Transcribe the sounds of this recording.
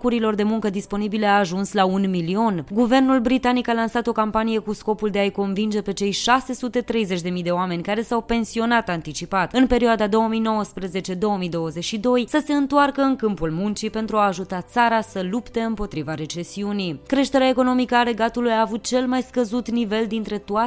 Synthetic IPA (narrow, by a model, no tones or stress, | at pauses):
kuɾilo̞rd̪e̞muŋkəd̪ispo̞nibile̞aːʒunslaunmilio̞nɡuve̞rnulbɾit̪anikalansat̪o̞kampanije̞kusko̞puld̪eajko̞nvind͡ʒe̞pe̞t͡ʃe̞jʃase̞sut̪e̞t̪ɾe̞jze̞t͡ʃʲd̪e̞mijd̪e̞oame̞nʲkaɾe̞sawpe̞nsio̞nat̪ant̪it͡ʃipat̪ɨnpe̞ɾioad̪ad̪o̞wəmijno̞wəspɾəze̞t͡ʃe̞d̪o̞wəmijd̪o̞wəze̞t͡ʃʃid̪o̞jsəse̞ɨnt̪oarkəɨŋkɨmpulmunt͡ʃipe̞nt̪ɾuaːʒut̪at̪saɾasəlupt̪e̞ɨmpo̞t̪ɾivaɾe̞t͡ʃe̞siunikɾe̞ʃt̪e̞ɾeaeko̞no̞mikəale̞ɡat̪ulujaːvut̪̚t͡ʃe̞lmajskəzut̪nive̞ld̪int̪ɾe̞t̪oat